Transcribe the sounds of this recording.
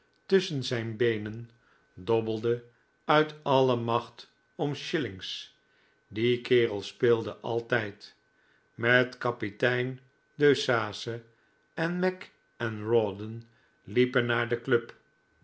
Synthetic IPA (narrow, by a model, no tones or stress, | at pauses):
tɵsənzɛjnbejnən | dɔbəlˠdə | œɥtɑləmɑχt | ɔmʃɪlɪŋs | dikɪːʁəlˠspɪːlˠdəʔɑlˠtɛjt | mɛtkɑpitɛjn | døɥsaːsə | ɛnmɛk | ɛnɹɔdən | lipənːaːɹdəkløp